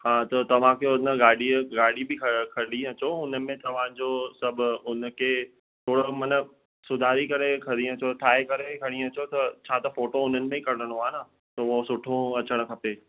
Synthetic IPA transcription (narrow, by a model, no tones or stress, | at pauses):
ɦãːt̪ɐt̪ɐʋ̤ãkʰeʊnəɡaːɽiɡaːɽibɪkʰɐkʰɐɾɗĩɐt͡ɕoʊnəmẽt̪ɐʋ̤ãd͡ʑosɐb̆ʱʊnkʰe | t̪ʰoːɽomɐnə | sʊd̪ʱaːɾikɐɾekʰɐɽĩɐt͡ɕot̪ʰaːekɐɾekʰɐɽ̃ĩɐt͡ɕot̪ɐt͡ɕʰãːt̪ɐfoːʈoʊn̤ənɪ̆mẽikɐɾɽəɽ̃oaːna | t̪ɐosʊʈʰõɐt͡ɕəɽ̃̆kʰɐpeː